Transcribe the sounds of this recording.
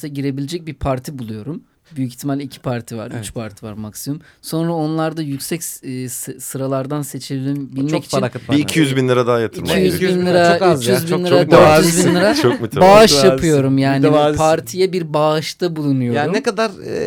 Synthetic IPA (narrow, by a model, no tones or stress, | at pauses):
sʲɛɟiɾe̞bilʲed͡ʒɛc̚bipʰaɾt̪ʰibulˠujo̞ɾum | byjyci̥çt̪ʰimalʲɛicʰi̥pʰaɾt̪ʰiva̰ɾyt͡ʃpʰaɾt̪ʰiva̰ɾmaksimɯmso̞nɾao̞nlˠaɾd̪ajycsɛcsssɯɾalˠaɾd̪anse̞t͡ʃʰebilʲbilʲmɛci̥t͡ʃanbiicʰijyzbinlˠɯɾad̪aɦajat̪ʰɯimijyzinlˠɯɾayt͡ʃjyzbinˠɯɾayzbinlɯɾat͡ʃʰomyt̪baʃjapʰɯjo̞ɾumjaːnazpʰaɾt̪ʰijɛbiɾbaʃt̪ʰabulˠunujoanɾunekad̪aɾ